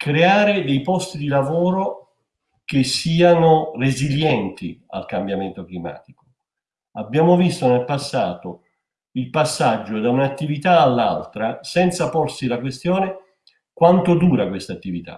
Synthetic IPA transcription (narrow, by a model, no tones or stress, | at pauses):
kɾeaːɾed̪ejpɔst̪id̪ilavoːɾo | k̟esːiːanoreziljɛnt̪ia̰lkambjament̪oklima̰ːt̪iko̥ | abjaːmovist̪onelpasːaːt̪o | ilpasːad͡ʒːod̪aunaːt̪ːivit̪aːlːa̰lt̪ɾasɛnt̪saporsilakwest̪joːne | kwant̪od̪uːɾakwest̪at̪ːivit̪a̰